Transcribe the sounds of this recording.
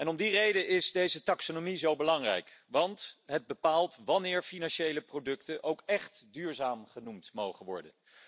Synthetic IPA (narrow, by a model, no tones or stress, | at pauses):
ɛnɔmdirejdəɪzdejzətɑksonomizowbəlɑŋrɛ̰jkʋɑntɦəd̚bəpaːlˠtʋɑnɪːɹfinɑnʃejləprodɵktənʔowkɛχtdyːɹzaːmχənumtmowχənʋɔ̰ɹdə̰n